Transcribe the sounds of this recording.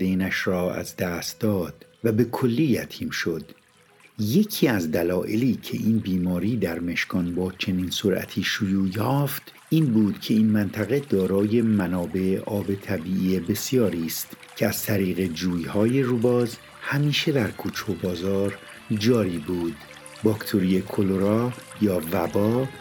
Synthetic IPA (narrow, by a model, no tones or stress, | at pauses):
eːnæʃɾɒːæ̰zd̪æst̪̚d̪ɒːd̪̥væbe̞kʰo̞lːiːjæt̪ʰiːmʃo̞d̪̥ | je̞cʰiːæzd̪ælɒːʔe̞liːcʰe̞̰ʔiːnbiːmɒːɾiːd̪æɾme̞ʃkɒːnbɒːt͡ʃʰe̞niːnsoɾʔæ̰t̪ʰiːʃojuːjɒːft̪ | ʔiːnbuːd̪̥cʰe̞iːnmænt̪ʰæɣe̞d̪ɒːɾɒːje̞mænɒːbe̞eʔɒːbe̞t̪ʰæbiːʔiːe̞be̞sjɒːɾiːst̪ | cʰe̞æz̥t̪ʰæɾiːɣe̞d͡ʒuːjhɒːje̞rubɒːz | hæmiːʃed̪æɾkʰuːt͡ʃʰobɒːzɒːɾ | d͡ʒɒːɾiːbuːd̪̥ | bɒːkt̪ʰoɾijekʰoloɾɒː | jɒːvæbɒː